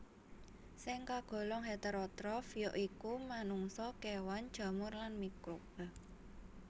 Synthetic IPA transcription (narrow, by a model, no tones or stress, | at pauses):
sɪŋkaɡ̥o̤lɔŋɦet̪əɾɔt̪ɾɔfjɔʔikumanuŋsɔkewand̥ʒ̥ä̤mʊrlanmikɾob̥əl